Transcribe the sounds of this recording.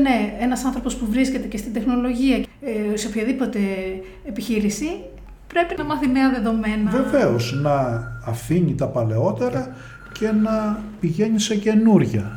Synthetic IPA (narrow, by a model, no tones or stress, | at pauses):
ne̞enɐsɐnθɾopo̞spuvɾisce̞t̪ece̞st̪ind̪e̞xno̞lo̞ʝiɐseopçɐðipo̞t̪e̞ː | piçiɾisi | pɾe̞pinɐmɐθimeɐðe̞ðo̞me̞nɐve̞ve̞o̞znɐːfiɲit̪ɐpɐle̞o̞t̪e̞ɾɐ | ce̞nɐpiʝe̞ɲise̞ce̞nuɾʝɐ